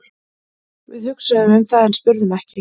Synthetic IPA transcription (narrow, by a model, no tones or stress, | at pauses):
vɪðhʏksɛðʏmʏmθaːðɛnspʏɾðʏmɛhcɪ